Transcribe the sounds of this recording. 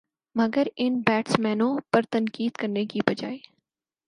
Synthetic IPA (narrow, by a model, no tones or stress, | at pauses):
mɐɡəɾɪnbɛːʈsmɛːnõpɐɾt̪ɐnkiːd̪kɐɾnekibɐd͡ʒa̰ːe